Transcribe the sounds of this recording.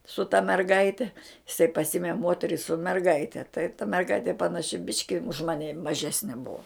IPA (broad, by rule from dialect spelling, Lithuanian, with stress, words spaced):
sʊ tɐ mʲɛrˈɡɐɪtʲɛ ɪˈsɐɪ pɐˈsʲɪmʲɛ ˈmoːtʲɛrʲɪ sʊ mʲɛrˈɡɐɪtʲɛ tɐɪ tɐ mʲɛrˈɡɐɪtʲeː pɐnɐˈʃʲɪ ˈbʲɪʃʲkʲɪ ʊʃ ˈmɑːnʲɪ mɐˈʒʲæːsʲnʲɪ ˈbʊɐ